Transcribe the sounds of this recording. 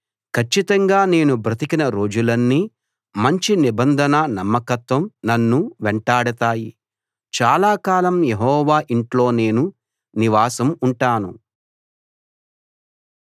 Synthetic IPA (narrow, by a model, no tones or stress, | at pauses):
kʰɐt͡ʃːit̪ɐŋɡaːne̞ːnubɾɐt̪ikinɐɾo̞ːd͡ʒulɐnːiː | mɐɲt͡ʃinibɐnd̪ʱɐnɐnɐmːɐkɐt̪ʋɐmnɐnːuʋɛɳʈaːɽɐt̪aːji | t͡ʃaːlaːkaːlɐmjeɦɔːʋaːʔiɳʈlo̞ːne̞ːnu | niʋaːsɐmuɳʈaːnu